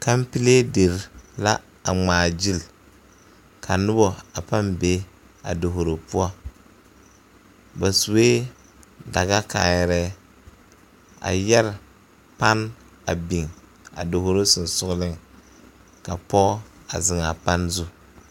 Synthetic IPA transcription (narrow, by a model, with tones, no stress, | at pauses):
ka˦mpi˦le˦de˨ɾla̰˦ | a˨ŋ͡maː˨d͡ʒi˦l | kʰa˨nʊ˦bɔ˨a˨pa˦nbe˦ | a̰˨do˨ɦo˨ɾo˨pu˦ɔ˦ | ba˨su˨eː˦ | da˨ɡa˦ka˨jɛ˦ɾɛ˦ | a̰˨jɛ˦ɾ | pa˦n | a̰˨bi˨ŋ | a̰˨do˨ɦo˨ɾo˦sʊ˨n˨sʊ˦ɣlɪ˦ŋ | ka˨pɔ˦a˨zɪ˨ŋa˨pa˦nzʊ˦